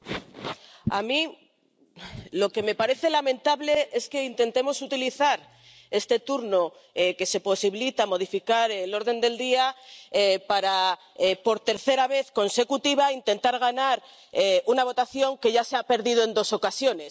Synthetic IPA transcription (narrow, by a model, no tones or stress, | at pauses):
a̰mĩ | lo̞ke̞me̞paɾe̞θe̞lamẽ̞nt̪aβle̞ʔe̞ske̞int̪ent̪e̞mo̞sut̪iliθaɾ | e̞st̪e̞t̪uɾno̞ | eke̞se̞po̞siβilit̪amo̞ð̞ifikaɾelo̞ɾðe̞nd̪e̞ld̪iaepaɾa | epo̞ɾt̪e̞ɾθe̞ɾaβ̞e̞θko̞nse̞kut̪iβ̞aint̪e̞nt̪aɾɣ̞anaɾ | eunaβ̞o̞t̪aθjo̞ŋke̞ʝaseape̞ɾðið̞oe̞nd̪o̞so̞kasjo̞ne̞s